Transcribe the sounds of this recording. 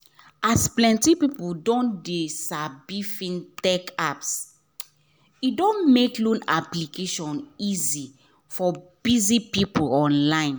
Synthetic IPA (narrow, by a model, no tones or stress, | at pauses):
asplɛ̃ntipipudɔ̃ndesabifĩntɛkaps | idõnmeklõnaplikʰeʃɔ̃nizi | fɔb̥izipipulɔ̃nlãɪ̃n